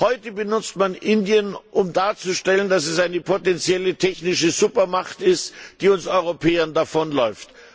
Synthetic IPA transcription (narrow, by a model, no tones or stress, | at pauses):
hɔʏtəbənʊt͡stmanʔɪndiənʔʊmdaːɐt͡suʃtɛləndas̬ɛsʔaɪnəpʰotɛnt͡sjɛlətʰɛçnɪʃəzuːpɐmaχtɪstd̥iːʊnsʔɔʏʁ̞opʰeːɐndafɔnlɔʏft